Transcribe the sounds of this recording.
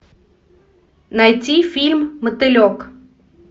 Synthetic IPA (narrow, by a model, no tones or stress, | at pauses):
najtʲifʲilʲmːɨt̪ɪlʲɔk